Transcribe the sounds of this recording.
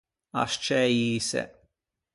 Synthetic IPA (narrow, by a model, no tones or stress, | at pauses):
ɐ̰ʃt͡ʃɛjiːsɛ̰